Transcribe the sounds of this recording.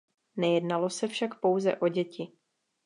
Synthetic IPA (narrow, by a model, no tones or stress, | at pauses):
nɛjɛdnalo̞sɛfʃakpo̞wzɛ̰ʔo̞ɟɛcɪ